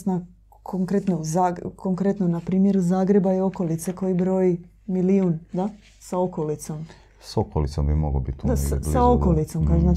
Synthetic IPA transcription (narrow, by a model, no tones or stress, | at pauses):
sna | kʰoŋkɾet̪nozakoŋkɾet̪nonapɾiːmje̞ɾuzaːɡɾe̞baio̞ko̞lit̪seko̞jibɾo̞ːji | miliund̪a | saokolit̪so̞m | sokolit̪so̰mbimoɡlo̰bḭt̪ːd̪asasaokolit̪so̞mkana